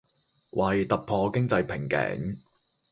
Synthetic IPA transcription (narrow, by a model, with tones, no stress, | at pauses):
wʔɐ˨jt̪ɐ˨k̚pʰɔː˧kɪ˥ŋt͡sɐ˧jpʰɪ˨˩ŋkɛ̰ː˨˥ŋ